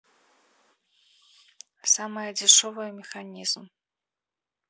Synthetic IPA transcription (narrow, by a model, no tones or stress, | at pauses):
samɨjəd͡zʲɪʂɔvɨjəmʲɪxanʲiz̥m